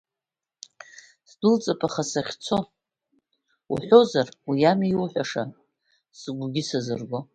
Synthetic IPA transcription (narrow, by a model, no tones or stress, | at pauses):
sdʊlt͡sʼapʼaχasaχʲt͡sʰo̞ | ṵħʷᶣo̞zarwijamiwħᶣʷaʂa | sɨɡʷɡʲɪsazɨrɡʷo̞